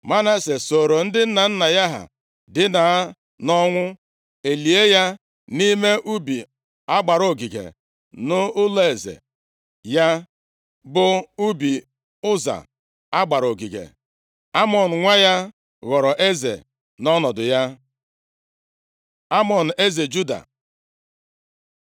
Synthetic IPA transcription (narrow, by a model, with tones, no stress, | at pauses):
ma˦na˦se˨so˨ɾo˨n̩˦dɪ˦n̩˦na˨n̩˦na˨ja˦ɦa̰˨ | dɪ˦na˨˦ | nɔ˦ŋʷʊ˦ | e˨li˨e˦ja˦ | ni˦me˦ʔu˦bi˨ | a˦ɡ͡ba˨ɾo˨ɡi˨ɡḛ˨ | nʊ˦ʊ˦le˨zḛ˨ | ja˦ | bʊ˨u˦bi˨ | ʊ˦za̰˨ | a˦ɡ͡ba˨ɾo˨ɡi˨ɡḛ˨ | a˦mɔ˨n̩˨ŋʷa˦ja˦ | ɣɔ˨ɾɔ˨ʔe˦zḛ˨ | nɔ˦nɔ˨dʊ˨ja˦ | a˦mɔ˨n̩˨e˦ze˨d͡ʒu˦da̰˨